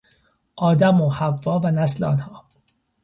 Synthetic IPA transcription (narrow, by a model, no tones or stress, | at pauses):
ʔɒːd̪æmohævːɒːvænæsleɒ̰ːnhɒː